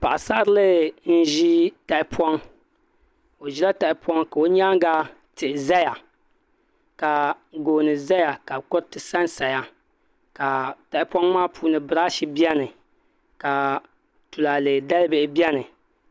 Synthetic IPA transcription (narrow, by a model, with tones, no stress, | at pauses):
pa˨ʔa˨sa˦ɾɨ˦lɨ˦n̩˦ʒi˦ta˨ɪ˨pʰwɔ˦ŋ | o˨ʒi˦la˦ta˨ɪ˨pɔ˦ŋka˨o˦ɲa˦ŋɡa˦ | tɨ˨ʔza˦ja˨ | ka˨ | ɡoː˨nɨ˨za˦ja˨ka˨kɔ˦ɾtɨ˨sa˦nsa˨ja˦ | ka˨ta˨ɪ˨pɔ˦ŋmaː˦pʰuː˨˦nɨ˨bɨ˨ɾa˦ʃi˦bi˦ɛ˦nɨ˨ | ka˨ | tu˨la˨lɨ˨da˦lɨ˦bɪ˦˨ʔɪ˨bi˦ɛ˦nɨ˨